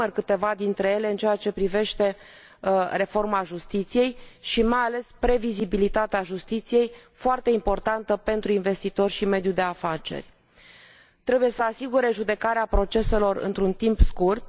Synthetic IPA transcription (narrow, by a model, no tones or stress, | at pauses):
ərkɨt̪e̞vad̪int̪ɾe̞je̞le̞ɨnt͡ʃeat͡ʃe̞pɾive̞ʃt̪e̞ | re̞fo̞rmaʒust̪it̪sije̞jʃimajale̞spɾe̞vizibilit̪at̪eaʒust̪it̪sije̞jfoart̪e̞impo̞rt̪ant̪əpe̞nt̪ɾuinve̞st̪it̪o̞rʲʃime̞d̪jud̪e̞afat͡ʃe̞̰rʲ | t̪ɾe̞buje̞səasiɡuɾe̞ʒud̪e̞kaɾeapɾo̞t͡ʃe̞se̞lo̞rɨ̰nt̪ɾunt̪impskurt̪̚